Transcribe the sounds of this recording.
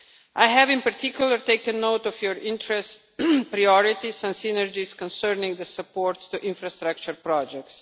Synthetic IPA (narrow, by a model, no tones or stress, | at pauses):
ʔajɦɛvɪ̃npaɾt̪ikjulˠəɾt̪eɪkə̃nːowt̪ɔfjɔɹɪ̃ntɾɛst | pɾajɔɾit̪isɛ̃ndsinəɾd͡ʒiskɔ̃nsɛɾnĩŋɡd̪əsəpɔːɾt̪ːuʔɪ̃nfɾast̪ɾak̚t͡ʃəɾpɾɔd͡ʒɛk̚ts